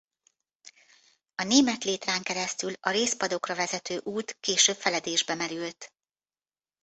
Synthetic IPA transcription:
ɒneːmɛt̪leːt̪raːŋkɛɾɛst̪ylɒɾeːspɒd̪o̞krɒvɛzɛt̪øːʔuːt̪keːʃøːpfɛlɛd̪eːʒbɛmɛɾylt̪

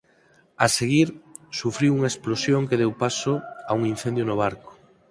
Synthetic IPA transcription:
aseɣiɾsufɾiwuŋaesplosjoŋkeðewpasoauŋinθend̪jonoβ̞aɾko̥

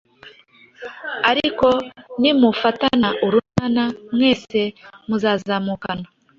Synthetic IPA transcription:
aɾiko̞nimufatanaʔuɾunanamŋwe̞ːse̞muzaːzaːmukana

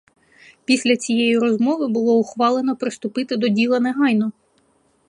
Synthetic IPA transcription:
pʲisʲlʲɐt͡sʲijejiɾɔzmɔʋɪbʊlˠɔʊxʋɑlˠenɔpɾɪst̪ʊpɪt̪ɪd̪ɔdʲilˠɐneɦɑjnɔ

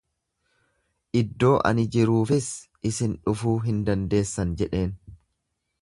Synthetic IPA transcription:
ʔɪd̪ːo̞ːʔɐ̰nɪd͡ʒɪɾuːfɪsʔɪsɪnᶑʊfuːɦɪnd̪ɐnd̪e̞ːsːɐnd͡ʒɛᶑe̞ːn

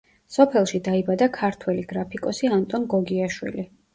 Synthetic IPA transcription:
sɔpʰɛlˠʃid̪aibad̪akʰaɾt̪ʰwɛliɡ̥ɾapʰikʼɔsiant̪ʼɔnɡɔɡiaʃwḭli

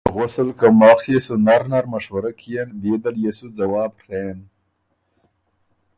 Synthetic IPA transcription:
ɣʊsəlkamɑːxjesunaɾnaɾmaʃwaɾakʰijenbed̪aɾjesud͡zawɑːbɾen

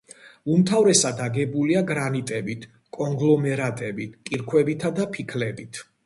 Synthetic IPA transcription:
umt̪ʰavɾɛsad̪aɡɛbuliaɡɾanit̪ʼɛbit̪ʰ | kʼɔŋɡlˠɔmɛɾat̪ʼɛbit̪ʰkʼiɾkʰwɛbit̪ʰad̪apʰikʰlɛbit̪ʰ

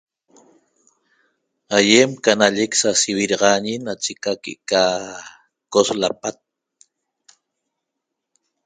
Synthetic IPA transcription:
ajemkanaʎeksasiβiɾɑʁɑɲinat͡ʃekakḛʔka | koslapat̪̚

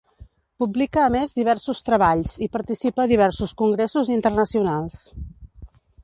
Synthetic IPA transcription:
publikəːmezðiβ̞ɛɾsust̪ɾəβaʎsipəɾt̪isipəːðiβ̞ɛɾsuskuŋɡɾesuzint̪ərnəsiunalˠs

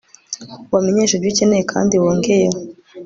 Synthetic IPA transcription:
wameɲeːʃaɾɟicenejekʰa̰ːndiwoːŋɡe̞je

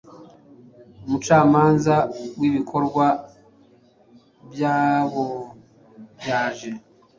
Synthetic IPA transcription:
umut͡ʃaːmaːnzawiβikʰo̞ɾɡwa | bjaːβo | bjaːʒe̞

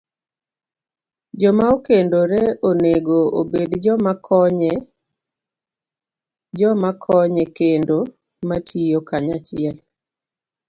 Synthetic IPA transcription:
d͡ʒɔmaokendoɾeoneɡoobedd͡ʒɔmakʰɔɛ | d͡ʒɔmakʰɔɲekendo | matʰijokaɲat͡ʃɪɛl

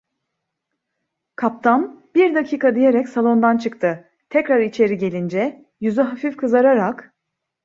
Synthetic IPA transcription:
kʰap̚t̪ʰambiɾd̪acʰiːkʰad̪ije̞ɾɛcsalˠo̞nd̪ant͡ʃʰɯkt̪ʰɯ | t̪ʰɛcɾaɾit͡ʃʰe̞ɾiɟe̞lʲind͡ʒɛ | jyzyɦafifkʰɯzaɾaɾak

